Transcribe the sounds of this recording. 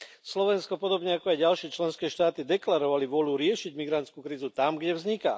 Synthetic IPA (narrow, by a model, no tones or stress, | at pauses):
slɔʋɛnskɔpɔd̪ɔbɲɛakɔajɟalʃɪɛːt͡ʃlɛnskɛːʃt̪aːt̪id̪ɛklaɾɔʋaliʋʊɔluɾɪɛʃiɟmiɡɾant͡skuːkɾiːzut̪amɡɟɛvzɲika̰ː